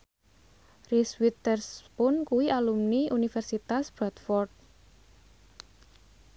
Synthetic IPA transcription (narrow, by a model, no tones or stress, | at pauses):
riswit̪ərspʊnkuwiʔalumniʔunifɛrsit̪asb̥at̪fɔrt̪̚